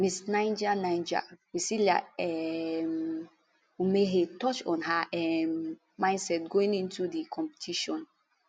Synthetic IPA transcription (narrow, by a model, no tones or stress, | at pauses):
misnãɪ̃nd͡ʒanajnd͡ʒa̰wisilia̰ɛm | wimeɦetɔt͡ʃɔ̃nɦaʔɛmː | ãɪ̃nsɛtɡoĩŋĩntʰudikʰɔ̃mpi̥tʰiʃɔ̃n